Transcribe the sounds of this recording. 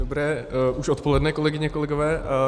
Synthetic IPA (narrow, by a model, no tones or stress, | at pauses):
obɾɛːʔuʃo̞t̪̚po̞lɛdnɛko̞lɛɡɪɲɛkolɛɡovɛː